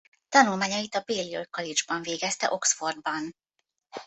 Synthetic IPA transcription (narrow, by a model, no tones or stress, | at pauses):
t̪ɒnulmaːɲɒjit̪ɒbeːliojkɒlid͡ʒbɒɱveːɡɛst̪ɛ̰ʔo̞ksfo̞rd̪̚bɒn